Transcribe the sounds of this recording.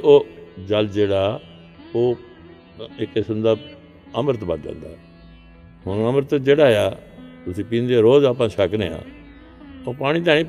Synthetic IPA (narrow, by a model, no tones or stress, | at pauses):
oːd͡ʒəld͡ʒeːɽaː | oː | ɪkesʊ̃nd̪aː | əməɾt̪bənd͡ʒã̰ːnd̪a̰ː | ɦʊñːəməɾət̪d͡ʒeːɽaːjaːt̪ʊsĩːpĩːnd̪eaːɾoːzaːpãːʃaːkneːã̰ː | oːpaːɽ̃ĩːt̪̬aːnĩː